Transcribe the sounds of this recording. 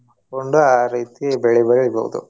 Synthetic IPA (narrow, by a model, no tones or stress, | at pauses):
mɐkoɳɖuaːɾiːt̪iebɛɭɛbɐɭɭibo̰ːʋṵd̪ṵ